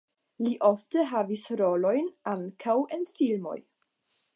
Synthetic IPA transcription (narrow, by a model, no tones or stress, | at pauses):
liʔofteɦavisɾo̞lo̞jnaŋkʰawe̞nfilmo̞̰j